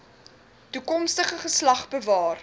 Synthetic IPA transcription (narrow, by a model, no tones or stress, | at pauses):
tukɔmstəχəχəslɐχbəvɑːr